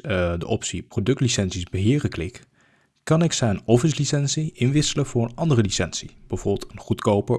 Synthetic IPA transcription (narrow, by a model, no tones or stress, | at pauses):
dəʔɔpsiprodɵk̚tlisɛnsizbəɦɪːrəklɪk | kɑnɪksɛjənɔfəs̬lisɛnsiʔɪnʋɪsələv̥ʊːɹənɑndərəlisɛnsḭb̥əvʊːɹbɪlˠtənχutkowpə